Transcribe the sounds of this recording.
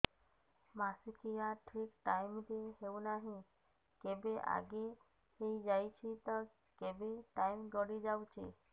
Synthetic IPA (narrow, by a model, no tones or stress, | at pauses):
masikijaʈʰikʈajmd̪eɦewnaɦĩ | kebeʔa̰ɡe | ejd͡ʒajt͡ʃʰit̪ɔ | kebeʈajmɡ̪ɔɽid͡ʒawt͡ʃʰḭ